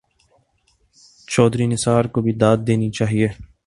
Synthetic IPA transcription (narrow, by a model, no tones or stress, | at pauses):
t͡ʃɔːd̪ɾinɪsaːɾkobʱid̪aːd̪̚d̪eːnit͡ʃaːɦieː